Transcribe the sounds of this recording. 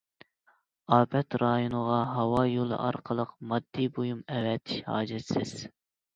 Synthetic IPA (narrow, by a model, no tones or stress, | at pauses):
ɑːbɛt̪ɾɑjonəʁɑɦɑwɑjolˠɨ̰ʔɑ̰ɾqʰəlˠəqmɑd̪ːibojumɛwɛt̪ʰɪ̥ʃhɑ̰ːd͡ʒɛt̪sɪz̥